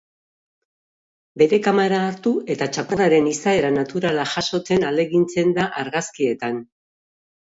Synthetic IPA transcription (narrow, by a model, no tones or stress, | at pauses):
be̞ɾe̞kamaɾaːɾt̪ue̞t̪at͡ʃakoɾaɾe̞nisae̞ɾanat̪uɾalaʝaso̞t͡se̞nald̪eɣint͡se̞nd̪aʔaɾɣaskie̞t̪an